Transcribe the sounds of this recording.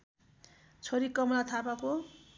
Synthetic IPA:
t͡sʰʌɾikʌmlat̪ʰapako

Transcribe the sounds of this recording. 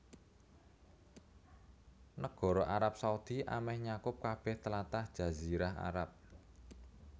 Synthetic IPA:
nəɡ̥ɔ̤ɾɔʔaɾap̚saud̪̥i̤ʔa̰mɛhɲakʊp̚kab̥ɛ̤ht̪əlat̪ahd̥ʒ̥ä̤ziɾaɦa̰ɾap̚

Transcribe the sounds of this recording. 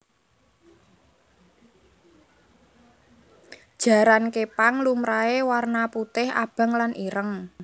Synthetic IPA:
d̥ʒ̥a̤ɾankepaŋlumɾaewarnaput̪ɪha̰b̥a̤ŋlanʔiɾəŋ

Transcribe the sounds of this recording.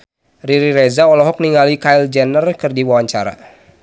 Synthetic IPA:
riɾiɾɛzaɔlɔɦɔk̚niŋalikaild͡ʒɛnərkɨrdiwawaɲt͡ʃaɾa̰

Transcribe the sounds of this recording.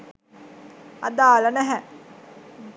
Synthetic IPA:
ɐ̰d̪aːlənɛɦɛ

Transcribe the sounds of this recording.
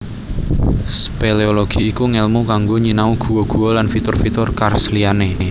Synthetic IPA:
speleoloɡ̥i̤ikuŋɛlmukaŋɡoɲinauɡ̥ṳwoɡ̥ṳwolanfit̪ʊrfit̪ʊrkarsliane

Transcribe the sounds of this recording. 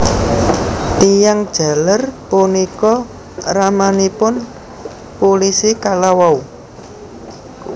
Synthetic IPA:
t̪ijaŋd̥ʒ̥a̤lərpunikɔ | ramanipʊn | polisikalawau

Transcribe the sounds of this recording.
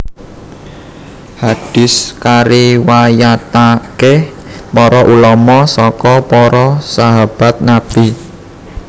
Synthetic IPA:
haɖ̥ɪ̤skaɾiwajat̪ake | pɔɾɔʔulɔmɔsɔkɔpɔɾɔsaɦab̥a̤t̪̚nab̥i

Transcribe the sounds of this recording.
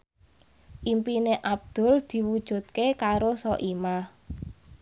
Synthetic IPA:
ʔimpineʔab̚d̪̥ʊ̤ld̪̥i̤wud̥ʒ̥ṳt̪̚kekaɾosɔʔimah

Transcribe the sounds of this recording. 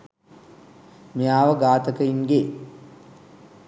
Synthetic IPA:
mijaːʋəɡaːt̪əkəinɡe

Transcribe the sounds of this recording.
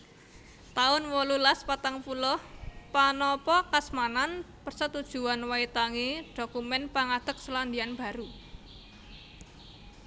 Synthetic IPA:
t̪aʊnwɔlulaspat̪aŋpulɔhpanɔpɔkasmanan | pərsət̪ud̥ʒ̥ṳanwait̪aŋiɖ̥o̤kumɛnpaŋad̪̥ək̚səland̪ianb̥a̤ɾu

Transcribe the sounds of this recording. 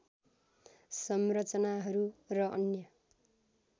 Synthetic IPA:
sʌmrʌt͡sʌnaɦʌɾurʌʔʌ̰njʌ

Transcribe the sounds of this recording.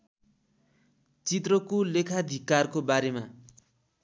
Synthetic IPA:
t͡sit̪̬rʌkolekʰad̪ʱikarkobaɾema

